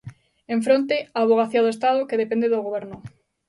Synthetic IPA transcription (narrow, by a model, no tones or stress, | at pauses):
eɱfɾõnt̪̬eaːβoɣ̞aθiaðoest̪aðokeðepend̪eðoɣoβɛɾnʊ